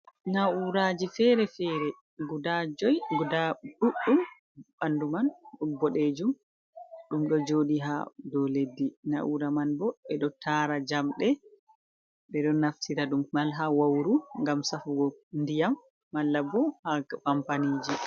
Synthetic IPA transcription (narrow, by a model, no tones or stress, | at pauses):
nauɾad͡ʒifɛɾɛfɛɾɛ | ɡudad͡ʒɔjɡudaɗuɗːum | ɓandumanɗubɔɗed͡ʒum | ɗumɗɔd͡ʒoɗiɦa̰dɔledːinaʔuɾamanbɔɓɛɗɔtʰaɾad͡ʒamɗɛ | ɓɛɗɔnaftʰiɾaɗummalɦawawɾuŋɡamsafuɡɔndijamː | alːabɔhakampanid͡ʒi